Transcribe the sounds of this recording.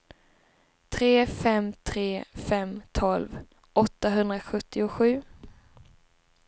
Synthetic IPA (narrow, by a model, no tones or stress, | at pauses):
t̪ʰɾeːfɛmt̪ʰɾeːfɛmt̪ʰɔlv | ʔɔt̪ːaɦɵnd̪ɾaɧɵt̪ːɪʊɧʉ̟ː